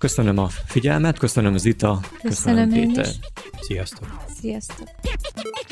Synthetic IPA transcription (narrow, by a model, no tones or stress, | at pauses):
kø̞sønømɒfiɟɛlmɛt̪kø̞sønømɒzit̪ɒkøøsneːt̪ɛ̰sijɒst̪oksijɒst̪ok